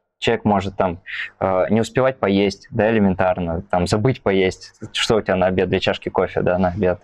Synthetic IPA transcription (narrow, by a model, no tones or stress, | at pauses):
t͡ɕɪlˠəvʲekmo̞ʐɨt̪ːamənʲɪʊspʲɪvat̚ʲpɐjesʲtʲd̪aɪlʲɪmʲɪnt̪arnət̪amzɐbɨtʲpɐjesʲtʲʂt̪oʊtʲɪbʲanɐɐbʲed̪d̪lʲɐt͡ɕaʂkʲɪko̞fʲɪ̰d̪anəɐbʲe̞t̪